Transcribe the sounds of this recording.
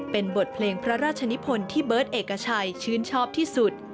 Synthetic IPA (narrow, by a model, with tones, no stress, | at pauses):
pe˧nbo˨˩t̪̚pʰleː˧ŋpʰɾa˦˥ɾaː˥˩t̪̚t͡ɕʰa˧ni˦˥pʰo˧nt̪ʰiː˥˩bɤː˦˥t̪̚ʔeː˨˩kːa˧t͡ɕʰa˧jt͡ɕʰɯː˦˥nt͡ɕʰɔː˥˩p̚t̪ʰiː˥˩su˨˩t̪̚